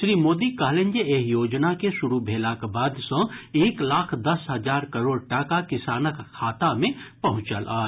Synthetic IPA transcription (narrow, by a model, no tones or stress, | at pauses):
ʃɾiːmoːd̪ikaːɦlẽnd͡ʒeeːɦjoːd͡ʒnakeʃʊɾubʱeːlakbaːd̪sõeːklaːkʰd̪ɐsɦɐzaːɾkɐɾoːɽʈaːkakɪsaːnəkʰːaːt̪amẽpɐɦʊ̃t͡ʃəlʔa̰ː